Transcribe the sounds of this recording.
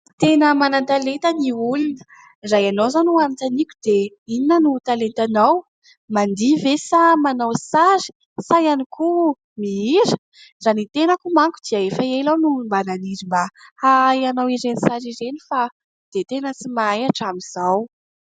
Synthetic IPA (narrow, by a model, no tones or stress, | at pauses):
t̪enəmanant̪alent̪əniulunə̥ | ɾajanowzanuanat͡s̪anikʲu̥d̪̥e | ininənut̪alent̪anaw | mand̪ivesamanawsaɾi̥ | sajanikʰu | miiɾə̥ | zanit̪enəkumaŋku̥d̪̥iəefəelawnumbananiɾimbahajanawiɾenisaɾiɾenifa | d̪̥et̪enət͡simaajaʈ͡ʂamiz̥aw